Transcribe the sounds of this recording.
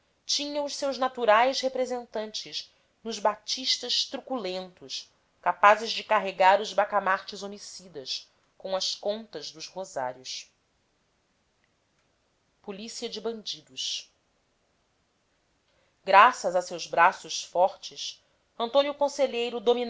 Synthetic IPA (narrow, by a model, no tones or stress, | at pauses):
t͡ʃĩɲɐ̃w̃ʊʃsewʒnat̪uɾajʃhepɾezẽnt̪ɐ̃nt͡ʃɪʃ | nʊʒbat͡ʃiʃt̪ɐʃt̪ɾukulẽnt̪ʊʃ | kapazɪzd͡ʒɪkaɦeɡaɾʊzbakamaɾt͡ʃɪzomisid̪ɐs | kõw̃ɐʃkõnt̪ɐzd̪ʊzhoza̰ɾjʊs | pulisiɐd͡ʒɪbɐ̃nd͡ʒid̪ʊʃ | ɡɾasɐzɐsewzbɾasʊʃfɔɾt͡ʃɪs | ɐ̃nt̪õnjʊkõseʎejɾʊd̪omin